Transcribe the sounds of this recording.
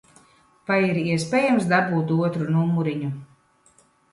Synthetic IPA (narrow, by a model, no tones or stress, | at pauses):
vajiɾiɛspʲeːjamsd̪abuːt̪uɔt̪ɾunumuɾiɲu